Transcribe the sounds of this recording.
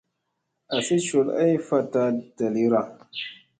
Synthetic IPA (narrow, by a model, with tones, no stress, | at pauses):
a˨si˦t͡ʃo˨la̰˦jfa˦ta˦d̥a˨li˦ɾa˨